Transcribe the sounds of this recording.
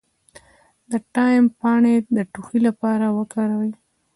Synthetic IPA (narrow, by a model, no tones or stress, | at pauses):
d̪əʈɑjmpɑɳed̪əʈuxilapɑɾawəkɑɾawə